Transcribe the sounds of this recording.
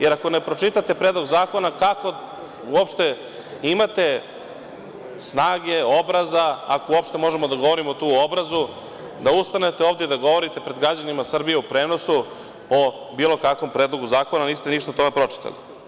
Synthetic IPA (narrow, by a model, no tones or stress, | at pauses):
je̞ɾako̞nepɾo̞t͡ʃit̪at̪e̞pɾeːd̪lˠo̞ɡzaːko̞nakako̞ | uopʃt̪e | imat̪e̞ | snaːɡe̞obɾazaakouopʂt̪e̞mo̞ʒe̞mod̪aɡo̞ʋo̞ɾimo̞t̪uːobɾazu | d̪aust̪ane̞t̪eoːvd̪jed̪aɡo̞ʋo̞ɾit̪e̞pɾe̞d̪ɡɾad͡ʑanimasr̩bije̞upɾeːno̞su | o | biːlo̞kakʋo̞mpɾe̞ːd̪lo̞ɡuzaːko̞naniːst̪e̞niʃt̪at̪o̞me̞pɾo̞t͡ʂi̥t̪a̰lḭ